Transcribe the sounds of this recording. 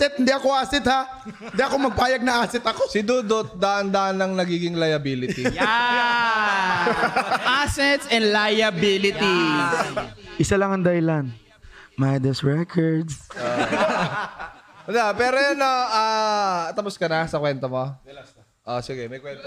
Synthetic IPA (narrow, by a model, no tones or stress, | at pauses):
sɛt̪hɪnd̪iʔɐkoʔaːsɪt̪ha | ɪnd̪iʔɐko̞mɐɡ̚paːjɐɡ̚nɐʔaːsɪt̪ɐkosɪd̪uːd̪ot̪̚d̪ɐʔɐnd̪ɐʔɐnɐŋnɐɡiːɡɪŋlɐjɐbilɪt̪i | ʔasɛt̪sɛnd̪lajɐbilɪt̪i | ʔɪsalɐŋɐŋd̪ɐhɪlan | majd̪ɛsɹɛkʰɔɹd̪s | d̪apɛːɾojɐnaʔat̪ɐposkɐnɐsɐkwɛnt̪ɐmo | ʔosɪɡɛmɐjkwɛ